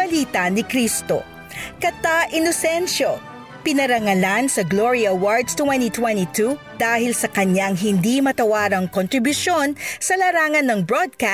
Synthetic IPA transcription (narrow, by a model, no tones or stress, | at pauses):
ɐliːt̪ɐnɪkɾist̪o̰ | kɐt̪aʔɪnosɛnʃo | pɪnɐɾɐŋɐlansɐɡloɹiɐwaɹd̪st̪wɛnit̪wɛnt̪it̪u | d̪̥aːhɪlsɐkɐɲaŋɦɪnd̪imɐt̪ɐwaːɾɐŋkont̪ɾɪbjʊʃonsɐlɐɾaːŋɐnːɐŋbɹod̪̚ka